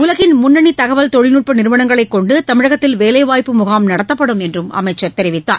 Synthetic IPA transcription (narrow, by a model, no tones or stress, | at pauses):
ʊlɐɣɪnmʊnːɐɳit̪ɐɣɐʋɐlt̪ɔɻɪnuːʈ̚pɐnɪɾɯʋɐɳɐŋɡɐɭɐɪkːɔɳɖɯt̪ɐmɪɻɐɣɐt̪ːɪlʋeːlɐɪʋaːjpːɯmʊɣaːmnɐɽɐt̪ːɐpːɐɽɯmɛndrɯmɐ̰mɐɪt͡ʃːɐt̪ɛɾɪʋɪt̪ːaːɾ